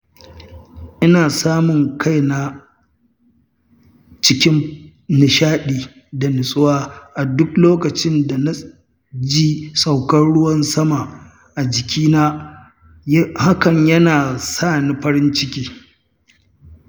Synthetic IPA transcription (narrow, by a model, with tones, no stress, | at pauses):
ʔɪ˦naː˨saː˦mʊ˨ŋkʰa˦jna˦ | t͡ʃɪ˦kʲɪ˦m | nɪ˨ʃaː˦ɗiː˨ | da˨nɪ˨sʼʊ˦waː˦ʔa˨dʊ˦kloː˦kɐ˨t͡ʃɪ˦nda˨na˦ | d͡ʒi˦sʼa˨wkɐ˦nɽʊ˦wɐ˦nsɐ˦ma˨ | ʔa˨d͡ʒɪ˨kʲʰiː˦naː˦ | ha˦kɐ˨ɲjɐ˦naː˨saː˦˨ni˨ɸɐ˦ɾɪ˦nt͡ʃɪ˦kʲiː˦